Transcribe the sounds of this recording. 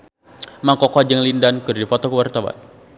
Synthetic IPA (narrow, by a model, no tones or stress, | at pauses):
maŋkɔkɔd͡ʒəŋlindankɨrdipɔt̪ɔkəwart̪awa̰n